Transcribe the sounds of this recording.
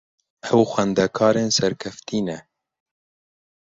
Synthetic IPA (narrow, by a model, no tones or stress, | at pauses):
hɛwxʷɛnd̪ɛkʰɑːɾeːnsɛɾkʰɛft̪ʰiːnɛ